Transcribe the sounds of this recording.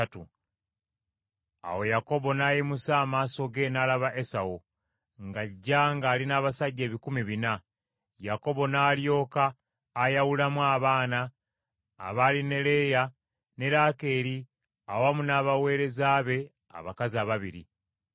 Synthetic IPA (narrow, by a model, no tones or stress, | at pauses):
atu | a̰wo̞jako̞βo̞naːjimusaːmaːso̞ɡe̞naːlaβaʔe̞sawo | ŋɡaɟːaŋɡaːlinaːβasaɟːe̞ːβikumiβina | jako̞βo̞naːljo̞ːkaː | jawulamwaːβaːna̰ː | βaːline̞le̞ja | ne̞ɾaːke̞ːɾi | awamunaːβawe̞ːɾe̞zaːβe̞ | a̰βakaziaβaβiɾḭ